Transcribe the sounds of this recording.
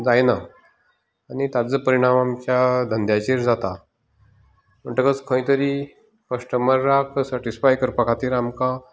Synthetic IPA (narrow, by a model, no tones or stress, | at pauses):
d͡zajnaː | ñit̪ad͡zəpəɾiɽ̃amamt͡ɕjad̪ʱənd̪ʱjat͡ɕiɾd͡zat̪a | m̤əɳʈəkət͡skʰə̃ĩt̪əɾi | kəsʈəmbəɾːaksəʈisfajkəɾpəkʰat̪iːɾamka